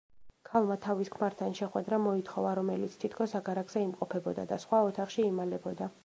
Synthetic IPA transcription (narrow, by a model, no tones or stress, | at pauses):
kʰalˠmat̪ʰaviskʰmaɾt̪ʰanʃɛχwɛd̪ɾamɔit̪ʰχɔvaɾɔmɛlḭt̪sʰt̪ʰit̪ʰkʰɔsaɡaɾaɡz̥ɛimqʼɔpʰɛbɔd̪a̰d̪asχwaɔt̪ʰaχʃiːmalɛbɔd̪a